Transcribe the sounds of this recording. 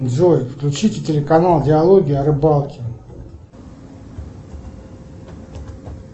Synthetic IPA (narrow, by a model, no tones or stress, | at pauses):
zojɪfklʲʊt͡ɕitʲɪtʲɪlʲɪkɐnalˠdʲɪɐlˠoɡʲiːɐɾɨbɑlˠkʲɪ